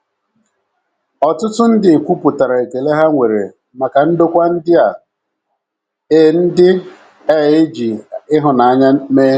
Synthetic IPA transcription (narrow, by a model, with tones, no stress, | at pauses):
ɔ˨tʊ˦tʊ˦n̩˦dɪ˨kʷu˦pu˨ta˨ɾa˨e˨ke˨le˦ɦa˦ŋʷe˨ɾḛ˨ | ma˨ka˨n̩˦do˦kʷa˦n̩˦dɪ˦a˨ | e˦˨n̩˦dɪ˦ | ɛ˦˨ɪ˦d͡ʒi˨ɪ˦ɦʊ˨na˨a˦ɲa˦meː˦